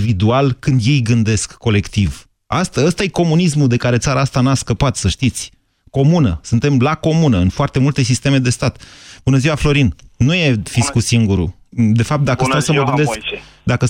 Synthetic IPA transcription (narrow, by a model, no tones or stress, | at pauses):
vid̪ualkɨnd̪je̞jɡɨnd̪e̞skːo̞le̞kt̪iv | a̰st̪əəst̪aje̞ko̞munis̬mud̪e̞kaɾe̞t̪saɾaast̪anaskəpat̪səʃt̪it̪sʲ | ko̞munəsunt̪e̞mlako̞munəɨnfoart̪e̞mult̪e̞sist̪e̞me̞d̪e̞st̪at̪b̥unəziwaflo̞ɾinnuje̞fiskusiŋɡuɾṵ | d̪e̞fap̚t̪̚d̪akəst̪ewsəməɡɨnd̪eskd̪akə